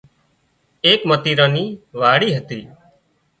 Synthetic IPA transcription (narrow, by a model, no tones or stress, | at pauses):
eːkmət̪iːɾãːniːʋaːɽiːɦət̪iː